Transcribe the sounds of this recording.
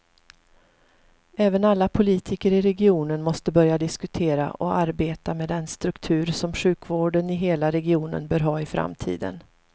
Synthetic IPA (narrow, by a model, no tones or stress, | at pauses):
ɛːvənalːapʰʊliːt̪ʰɪkəɾɪɾɛɡɪuːnənmɔst̪əbœɾjad̪ɪskɵt̪ʰeːɾa̰ʔɔaɾbeːt̪ameːd̪ɛnst̪ɾɵkt̪ʰʉ̟ːɾsɔmɧʉ̟ːkvoːɖənɪɦeːlaɾɛɡɪuːnə̰nbœːɾɦɑːɪfɾa̰mt̪ʰḭːd̪ə̰n